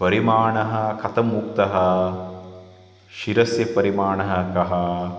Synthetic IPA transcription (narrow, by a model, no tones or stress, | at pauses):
pɐɾimaːɳɐɦɐkʰɐt̪ɐmːuk̚t̪ɐɦɐ | ʃiɾɐsjɐpɐɾimaːɳɐɦɐkɐɦɐ